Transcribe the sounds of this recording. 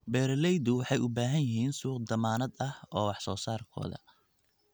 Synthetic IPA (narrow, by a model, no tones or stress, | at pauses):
bɛːɾlɛjd̪ʊwɑħɑjʔʊbaːɦɐnjɪɦiːnsuːqd̪ɐmaːnɐd̪ɐhʔɔːwɑħsɔːsaːrkʰɔ̰ːðɐ̰